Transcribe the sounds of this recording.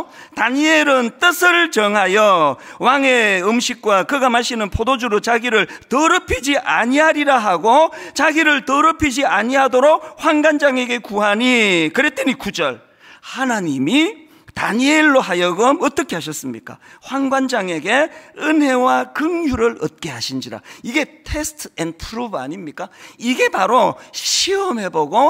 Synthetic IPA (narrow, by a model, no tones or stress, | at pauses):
taɲieɾɯnt͈ɯsʰɯɭt͡ɕʌŋɦajʌwaŋeɯmɕʰik̚k͈wakɯɡamaɕʰinɯnpʰodod͡ʑuɾot͡ɕaɡiɾɯɭtʌɾɯpʰid͡ʑiʔa̰ɲiɦaɾiɾaɦaɡot͡ɕaɡiɾɯɭtʌɾɯpʰid͡ʑiaɲiɦadoɾok̚ɸwaŋɡwand͡ʑaŋe̞ɡe̞kuɦaɲikɯɾe̞t͈enikud͡ʑʌɭ | hanaɲimi | taɲieɭːoɦajʌɡɯmʌt͈ʌkʰe̞ɦaɕ̬ʰʌs͈ɯmɲik͈a̰ɸwaŋɡwand͡ʑaŋe̞ɡe̞ɯnɦe̞wakɯŋjuɾɯɾʌt̚k͈e̞ɦaɕʰind͡ʑiɾa̰iɡe̞tʰe̞sʰtʰɯenpʰɾuba̰ɲimɲik͈aiɡe̞paɾoɕʰiʌme̞boɡo